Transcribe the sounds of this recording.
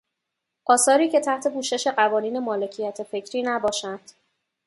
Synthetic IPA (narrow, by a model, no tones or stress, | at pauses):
ʔɒːsɒːɾiːcʰe̞t̪ʰæht̪ʰe̞buːʃe̞ʃe̞ɢævɒːniːne̞mɒːle̞cʰijæt̪ʰefe̞cʰɾiːnæbɒːʃænd̪̥